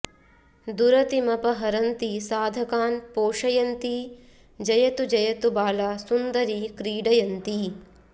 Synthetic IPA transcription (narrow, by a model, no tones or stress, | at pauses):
d̪uɾɐt̪imɐpɐɦɐɾɐnt̪isaːd̪ʱɐkaːnpoːʂɐjɐnt̪i | d͡ʒɐjɐt̪ud͡ʒɐjɐt̪ubaːlaːsund̪ɐɾikɾiːɖɐjɐnt̪i